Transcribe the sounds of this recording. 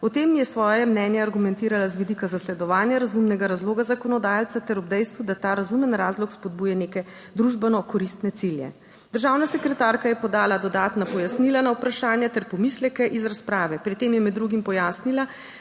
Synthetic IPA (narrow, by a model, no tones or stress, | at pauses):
ɔt̪eːmjɛsʋɔːjɛmnɛːnjɛaɾɡumɛnt̪iːɾalazʋid̪ikazaslɛd̪ɔʋaːnjaɾazumnɛɡaɾazloːɡazakɔnɔd̪aːjalt̪sat̪ɛɾɔbd̪ɛjst̪ʋud̪at̪aːɾazumənɾaːzlɔkspɔd̪̚buːjɛneːkɛ | d̪ɾuʒbɛnɔkɔɾist̪nɛt̪siljɛ̰ | d̪əɾʒawnasɛkɾɛt̪aːɾkajɛpɔd̪aːlad̪ɔd̪aːt̪napɔjasnilanaupɾaʃaːnjat̪ɛɾpɔmislɛkɛʔizɾaspɾaːʋɛpɾit̪eːmjɛmɛd̪ːɾuɡimpɔjaːsnila